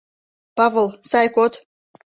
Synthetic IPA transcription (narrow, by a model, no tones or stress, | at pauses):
pɑvolˠsɑjkot̪